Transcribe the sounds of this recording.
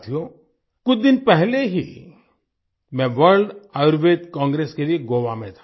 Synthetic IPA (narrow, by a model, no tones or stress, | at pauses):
t̪ʰijo | kʊt͡ʃd̪ɪnpɛɦleɦi | mɛ̃ʋəɾlɖaɾʋeːd̪kɔ̃ːŋɡɾeːskelieɡoːʋamẽt̪ʰḁ